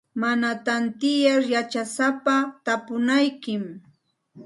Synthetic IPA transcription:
manat̪ant̪ɪjaɾjat͡ʃasapat̪apʊnajkɪm

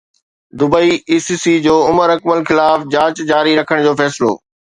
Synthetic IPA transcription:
d̪ʊbəiiːsisid͡ʑoːʊməɾɐkməlxɪlaːfd͡ʑãːt͡ɕd͡ʑaːɾiɾɐkʰəɽ̃d͡ʑoːfɛːsɪlo̰ː

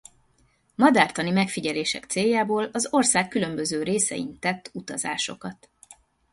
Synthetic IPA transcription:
mɒd̪aːrt̪ɒnimɛkfiɟɛleːʃɛ̰kt̪seːjːaːboːlɒzo̞rsaːkːylø̞mbø̞zøːɾeːsɛ̰jḭnt̪ɛt̪ːut̪ɒza̰ːʃo̞̰kɒt̪

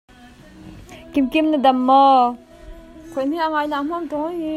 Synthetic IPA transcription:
kimkimnəd̪amːɔ | kʰon̥iaŋajnam̥omt̪oŋji

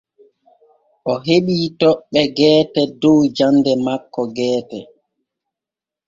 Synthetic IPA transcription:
ʔɔɦeɓiːtɔɓːɛɡɛːtɛdɔwd͡ʒandɛmakːɔɡɛːtɛ

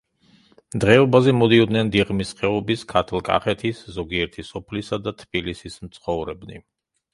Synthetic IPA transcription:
d̪ʁɛɔbazɛmɔd̪iɔd̪nɛnd̪iʁmisqɛɔbiskʰat̪ʰlˠkʼa̰χɛt̪ʰiszɔɡiɛɾt̪ʰisɔpʰlisad̪at̪ʰbilisismt̪sʰχɔvɾɛbnḭ

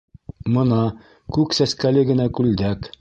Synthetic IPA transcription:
mɤ̆nɑ | kʉksæskælɘɡɘ̆nækʉld̪æk

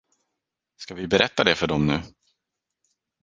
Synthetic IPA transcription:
skavɪbɛɾʔɛt̪ːad̪ɛfœɖɔmnʉ̟ː

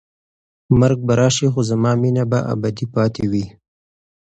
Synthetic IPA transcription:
maɾɡ̚baɾɑːʃixozamɑːminabaʔa̰bad̪ipɑːt̪ʰewi

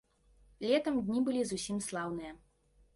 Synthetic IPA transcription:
lʲɛt̪ɐmd̪ʲnʲibɨlʲizusʲimslˠawnɨjɐ

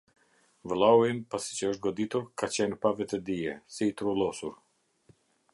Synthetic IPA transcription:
vlˠawinpasi̥t͡ɕəəʃ̬t̪̚ɡɔd̪it̪uɾkat͡ɕɛnpavɛt̪ɛd̪iɛsiːt̪ɾulˠɔsuɾ

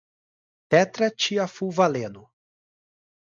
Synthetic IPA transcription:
pɛt̪ɾɐt͡ʃiɐfuvalẽnʊ

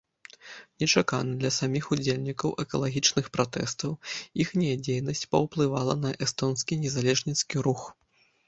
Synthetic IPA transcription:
nʲɛt͡ʂaka̰nɨd̪lʲɐsamʲixud͡zʲelʲnʲikɐwʔɛkɐlˠaɣʲit͡ʂnɨxpɾat̪ɛ̰st̪ɐwixnʲɛjɐd͡zʲejnɐsʲt͡sʲpɐwplˠɨvalˠɐ̰nɐʔɛst̪ɔnskʲinʲɛzalʲɛʐnʲit̪skʲiɾux

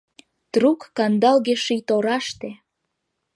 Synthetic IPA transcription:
t̪rukːɑnd̪ɑlɣeʃijt̪oɾɑʃt̪e

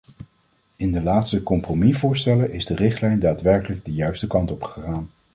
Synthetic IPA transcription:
ɪndəlaːtstəkɔmpromivʊːɹstɛləʔɪzdərɪχtlɛjndaːtʋɛɹkələɡ̚dəjœɥstəkɑntɔpχəχaːn

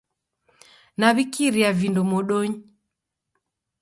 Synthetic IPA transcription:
naβikiɾiavindɔmɔɗɔɲi

